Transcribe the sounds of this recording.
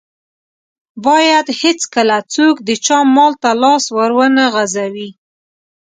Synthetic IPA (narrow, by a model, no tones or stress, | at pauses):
bɑjad̪hɪt͡skəlat͡sokd̪ət͡ʃɑmːɑlt̪alɑswəɾwənaɣazawi